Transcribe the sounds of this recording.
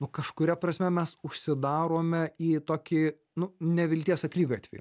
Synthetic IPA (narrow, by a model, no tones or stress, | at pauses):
nʊkɐʃkʊɾʲɛpɾɐsʲmʲɛmʲɛsʊʃʲsʲɪd̪ɑːɾoːmʲɛiːt̪oːkʲi | nʊnʲɛʋʲɪlʲt̪ʲiɛsɐklʲiːɡʲɑːt̪ʋʲɛ̰j